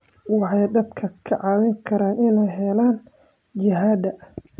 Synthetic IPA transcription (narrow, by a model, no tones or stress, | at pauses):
wɑħɑjd̪ɐd̪kʰɐkʰɐʕɑːwɪŋkʰɐɾaːnɪnɛjɦɛlaːn | t͡ʃɪɦaːd̪ɐ